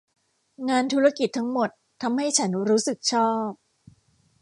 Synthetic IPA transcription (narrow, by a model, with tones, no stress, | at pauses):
ŋaː˧nt̪ʰu˦˥ɾa˧ki˨˩t̪ʰːa˦˥ŋmo˨˩t̪ʰːa˧mha˥˩jt͡ɕʰa˦˥nɾuː˦˥sɯ˨˩k̚t͡ɕʰɔː˥˩p̚